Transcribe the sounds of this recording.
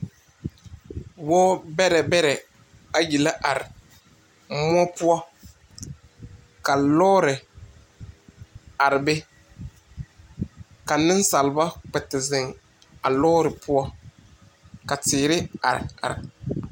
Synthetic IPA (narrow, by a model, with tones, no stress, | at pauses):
wɔː˦bɛ˦ɾɛ˨bɛ˦ɾɛ˨ | a˦ji˨la˦ʔa˨ɾɪ˨ | mʊ˦ɔ˦pʊ˦ɔ˦ | ka˨lɔː˦ɾɪ˨ | a˨ɾɪ˨bɛ˦ | ka˨nɪ˦n˦sa˨lba˦k͡pɛ˨tɪ˨zɪ˨ŋ | a˨lɔː˦ɾɪ˨pʊ˦ɔ˦ | ka˨tɪː˨ɾɪ˦a̰˨ɾɪ̰˨a̰˨ɾɪ˨